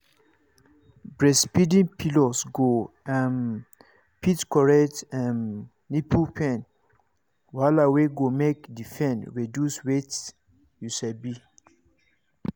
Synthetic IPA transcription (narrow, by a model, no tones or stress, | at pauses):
bɹɛspidĩnpʰilɔsɡo | an | pʰitkɔɹɛtanː | ipʰupʰɛ̃n | walaweɡomekdifɛ̃nɹedjuswet | juʃɛbi